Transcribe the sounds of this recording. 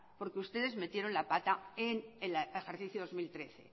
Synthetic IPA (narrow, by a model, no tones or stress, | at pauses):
po̞ɾkeust̪e̞ðe̞zme̞t̪je̞ɾo̞nlapat̪aenelexeɾθiθjoð̞o̞zmilt̪ɾe̞θe̞̰